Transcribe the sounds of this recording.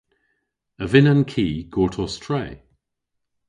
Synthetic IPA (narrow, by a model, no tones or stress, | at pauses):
əvɪnənkʰiːɡ̥ɔːtʰɔstʰɹɛɪ